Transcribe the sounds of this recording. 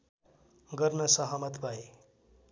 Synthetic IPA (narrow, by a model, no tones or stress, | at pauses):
ɡʌrnʌsʌɦʌmʌt̪bʱaj